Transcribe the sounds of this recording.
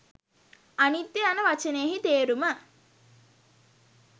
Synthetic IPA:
anit̪ːeanəʋat͡ʃəneːɦit̪eːɾumə

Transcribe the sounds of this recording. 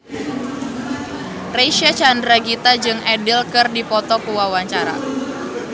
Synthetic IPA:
reʃiat͡ʃandɾaɡit̪ad͡ʒɨŋʔɛdɪlkɨrdipɔt̪ɔkuwawaɲt͡ʃaɾa̰

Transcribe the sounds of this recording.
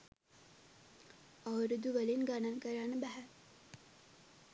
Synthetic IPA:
aʋəɾud̪uʋəlinɡanankəɾanəbæɦæ

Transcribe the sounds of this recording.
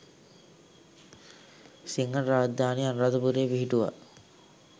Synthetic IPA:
siŋɡənɾaːd͡ʒd̪aːnejanrad̪əbuɾeʋiɦiʈuʋa̰

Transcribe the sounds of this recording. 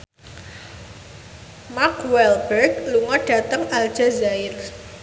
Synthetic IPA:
makwɛlbɛrɡluŋɔɖ̥ä̤t̪əŋald̥ʒ̥a̤zaɪr

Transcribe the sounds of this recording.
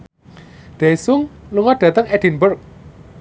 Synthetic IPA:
d̪̥esʊŋluŋɔɖ̥ä̤t̪əŋɛd̥inbərk̚

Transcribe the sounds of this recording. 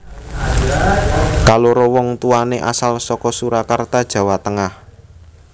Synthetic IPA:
kaloɾowɔŋt̪uaneʔa̰salsɔkɔsuɾakart̪ad̥ʒ̥a̤wat̪əŋah

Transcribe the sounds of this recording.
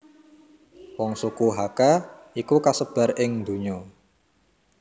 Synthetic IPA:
wɔŋsukuɦakaikukasəb̥a̤rɪŋd̪ṳɲɔ

